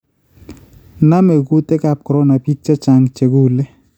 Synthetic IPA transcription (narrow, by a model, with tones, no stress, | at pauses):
na˦me˨ɡu˦tɛ˦ka˦p̚kɔ˨ɾɔ˦na˨pi˦t̚t͡ʃɛ˦t͡ʃa˨ŋt͡ʃe˨ɡu˦˨le˦